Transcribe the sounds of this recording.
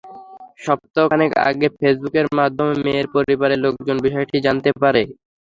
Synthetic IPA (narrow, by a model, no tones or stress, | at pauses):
ʃɔp̚t̪oneka̰ɡefʰesbukeɾmad̪ʱːomemeeɾpoɾibaɾelok̚d͡ʑonbiʃɔeʈid͡ʑant̪epaɾe